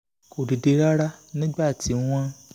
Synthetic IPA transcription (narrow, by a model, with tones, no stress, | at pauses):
ko˨di˨de˧˦ɾa˦ɾa˦nĩ˦ɡ͡ba˦˨ti˨˦w̃ɔ̃˦